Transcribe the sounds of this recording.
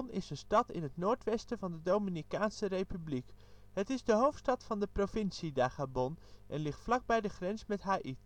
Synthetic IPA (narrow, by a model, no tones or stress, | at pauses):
nɪsənstɑtɪ̰nɦətnoːɹtʋɛstəvɑndədowminikaːnsərejpyblikɦətɪzdəɦowftstɑtfɑndəprovɪnsidaːχabɔnʔɛnlɪχtflɑɡ̚bɛjdəχrɛnsmɛtɦaːʔit